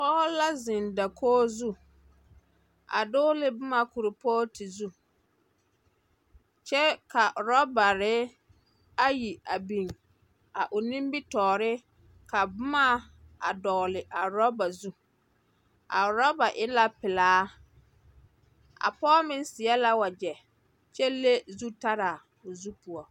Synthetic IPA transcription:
pɔː˦la˦zɪ˨nda˨kʰoː˦zu˦ | a̰˨dʊ˦lɪ˦bʊ˦ma˦ku˨ɾɪ˨pɔː˦ti˨zu˦ | t͡ʃɛ˦ka˨ɾɔ˦ba˨ɾɪ˦ | a˦ji˨a˨bi˨ŋ | a˨ʔʊ˨nĩ˦mbi˦tɔː˨ɾɪ˦ | ka˨bʊ˦ma˦ | a˨dɔː˨lɪ˨ʔa˨ɾɔ˦ba˨zu˦ | a̰˨ɾɔ˦ba˨ʔɪ˦la˦pɪ˨laː˦ | a̰˨pɔː˦mɪ˦nsɪ˨ɛ˦la˦wa˨d͡ʒɛ˨ | t͡ʃɛ˦le˦zu˦ta˦ɾa˨ | ʊ˨zu˦pu˨ɔ˨

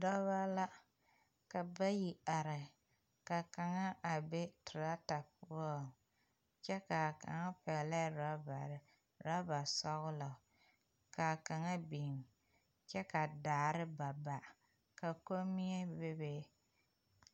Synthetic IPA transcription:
dɔ˦βa˦la˦ | ka˨ba˦ji˨a˨ɾɪ˨ | ka˨ka˨ŋa˦ʔa˨be˦tʊ˨ɾa˦ta˨pʊ˦a˦˨ | t͡ʃɛ˦ka˨ka̰˨ŋa˦pɛ˨la˦ɾa˦ba̰˨ɾɪ˨ | ɾa˦ba˨sɔ˦ɣʊ˦la˨ | ka˨ka˨ŋa˦bi˨m | t͡ʃɛ˦ka˨daː˨ɾɨ˦ba˨ba˨ | ka˨ko˦mi˦ɛ˦be˦be˦

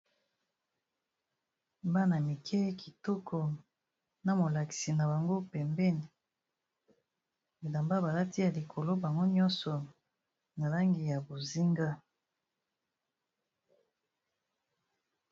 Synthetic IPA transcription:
mba˦na˨mi˨kʰɛ˦ki̥˨tɔ˦kʰɔ˨ | na˨mo˨la˨ki̥˨si˨na˨ba˨ŋɡo˦pɛ˨mbɛ˦ni˨ | bi˨la˨mba˦ba˨la˦ti˦ja˨li˨kʰo˨lo˦ba˨ŋɡo˦ɲɔ̃˦nsɔ˨ | na˨la˦ŋɡi˨ja˨bo˨zi˦ŋɡa˦

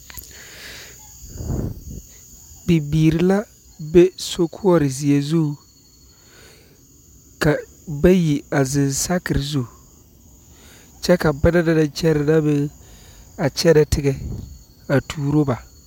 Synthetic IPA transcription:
bi˨biː˨ɾɪ˨la˦ | bɛ˦so˦kʰʊ˦ɔ˨ɾɪ˨zɪ˨ɛ˨zu˦˨ | ka˨ | ba˦ji˨a˨zɪ˨nsa˦kɪ˨ɾɪ˨zu˦˨ | t͡ʃɛ˦ka˨ba˦da˦da˦da˨t͡ʃɛ˦ɾɪ˨la˦bɪ˦ | a˨t͡ʃɛ˦ɾɛ˨tɪ˦ɡɛ˨ | a˨tʰuː˨ɾo˦ba˨

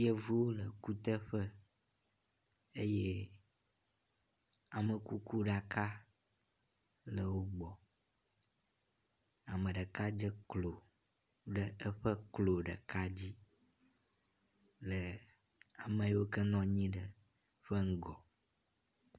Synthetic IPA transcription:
je˦vu˦wo˦lə˨ku˦t̪ə˦ɸə˦ | e˦je˦ | a˨mə˨ku˦ku˦ɖa˨ka˦ | lə˨wo˦ɡ͡bɔ˨ | a˨mə̃˨ɖə˨ka˦d͡ʒə˦klo˨ | ɖə˨ə˦ɸə˦klo˨ɖə̰˨ka˦d͡ʑi˦ | lə˨ | a˨mə̃˨jwo˦kə˦nɔ̃˦ɲĩ˦ɖə˨ | ɸə˦ŋ̩˦ɡɔ˨

